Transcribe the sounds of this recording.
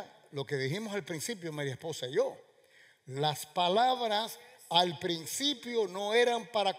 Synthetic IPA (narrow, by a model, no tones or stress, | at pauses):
lo̞ke̞ðiximosalpɾinsip̬jomaɾjaespo̞saiʝo | laspalaβɾasalpɾinsipjo̞no̞e̞ɾampaɾak